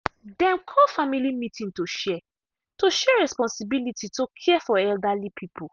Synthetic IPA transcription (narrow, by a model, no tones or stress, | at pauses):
dɛ̃mkʰɔfamilimitĩntoʃɛ | toʃɛɹɛspɔ̃nsibilitʰitokʰɛfɔɛldalipʰipʰu